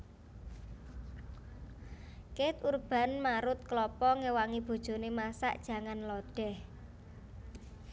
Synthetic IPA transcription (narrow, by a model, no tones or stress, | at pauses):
ket̪urb̥a̤nmaɾʊt̪̚klɔpɔŋewaŋib̥o̤d̥ʒ̥o̤nemasa̰ʔd̥ʒ̥ä̤ŋanlɔɖ̥ɛ̤h